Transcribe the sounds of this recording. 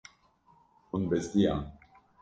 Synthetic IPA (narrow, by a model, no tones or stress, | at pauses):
unbest̪ia̰